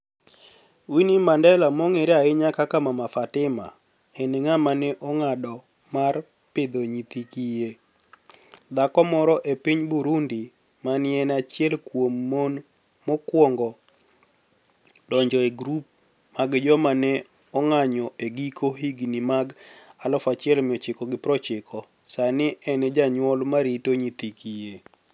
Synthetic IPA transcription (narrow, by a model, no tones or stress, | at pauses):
winimandɛlamɔŋeɾaɪɲakakamamafatɪma̰ | ɛneŋamanɛʔɔŋadɔ | mar | pɪd̪oɲit̪ikije | d̪akɔmɔɾɔʔepiɲbuɾundi | manɪɛnat͡ʃjɛlkwomːon | mɔkwɔŋɡɔ | dɔɲd͡ʒɔeɡɾup̚ | maɡd͡ʒɔmanɛ | ɔŋaɲɔʔeɡikʰohiɡnimaɡalɔfat͡ʃɪɛlmɪɔt͡ʃɪkɔɡɪpɾɔt͡ʃɪkʰɔ | sanɪɛnɛd͡ʒaɲwɔlmaɾitoɲit̪ikije